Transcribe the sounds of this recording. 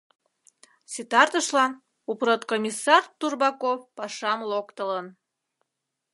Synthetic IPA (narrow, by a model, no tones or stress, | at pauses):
sit̪ɑrt̪əʃlɑn | uprot̪komʲisːɑrt̪urbɑkofpɑʃɑmlokt̪ələn